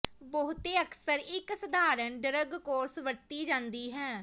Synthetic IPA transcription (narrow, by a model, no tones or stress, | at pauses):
bəɦʊt̪eːəksəɾɪksəd̪ʱaːɾənɖəɾəɡkoːɾsʋəɾt̪iːd͡ʒãːnd̪iːɦɛː